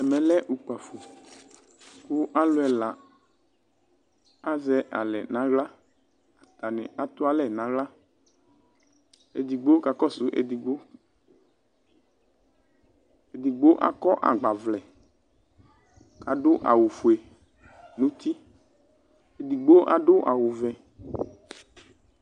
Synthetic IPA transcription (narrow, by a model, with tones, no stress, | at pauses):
ɛ˨mɛ̃˨lɛ˦ʔu˨k͡pa˨fu˨ | kʊ˦ʔa˦lʊ˨˦ɛ˨la˨ | a˦zɛ˨ʔa̰˨lɛ̰˨nã˨˦ɣla˦ | a˨t̪a˨nɪ̰̃˨a˨t̪ʊ˦a˦lɛ˦˨nã˨˦ɣla˦ | ḛ˨d̪i˨ɡ͡bo˦ka˨kɔ˦˨sʊ˦ʔḛ˨d̪i˨ɡ͡bo˦ | e˨d̪i˨ɡ͡bo˦ʔa̰˦kɔ˦ʔa̰˨ɡ͡ba˨vlɛ˨ | ka˨ɖʊ˦ʔa̰˨wu˨fu˨e˨ | nũ˦t̪i˦ | e˨d̪i˨ɡ͡bo˦ʔa̰˨ɖʊ˦ʔa̰˨wu˨vɛ̃˨